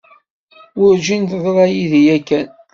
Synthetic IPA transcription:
ʊɾd͡ʒint̪ðˤɾˤɑjiðijækːæn

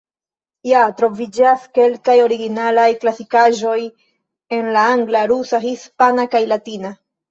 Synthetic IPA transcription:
jatɾo̞vid͡ʒaske̞lkajo̞ɾiɡinalajklasikaʒo̞j | e̞nlaaŋɡlaɾusaɦispanakajlatina

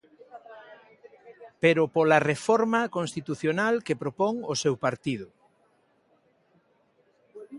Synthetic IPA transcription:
peɾʊpolarefɔɾmakõnst̪it̪uθjonalkepɾopɔŋosewpaɾt̪iðʊ

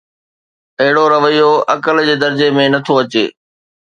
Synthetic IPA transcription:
ɐɦɪɽoɾɐʋəijoɐkəld͡ʑeːd̪ɐɾd͡ʑemẽnɐt̪ʰoɐt͡ɕḛː

